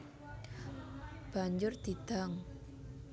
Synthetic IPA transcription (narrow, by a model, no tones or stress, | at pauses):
b̥a̤ɲd͡ʒʊrd̪̥id̪̥aŋ